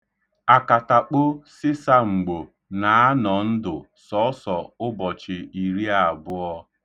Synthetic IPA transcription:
a˨ka˨ta˨k͡po˦sɪ˦sa˦ŋ͡m̩˨ɡ͡bo˨ | na˨a˦nɔ˨n̩˦dʊ˨ | sɔ˦sɔ˨ʊ˦bɔ˨t͡ʃɪ˨i˨ɾi˦a˨bʊ˦ɔ˦

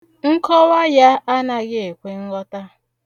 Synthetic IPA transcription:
ŋ̩˦kɔ˦wa˦ja˦a˦na˨ɣɪ˦e˨kʷe˦ŋ̩˦ɣɔ˦ta˦

